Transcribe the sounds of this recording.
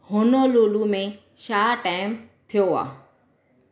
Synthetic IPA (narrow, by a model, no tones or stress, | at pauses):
ɦʊnoloːlumẽ | ʃaːʈaːɪmt̪ʰijoa̰ː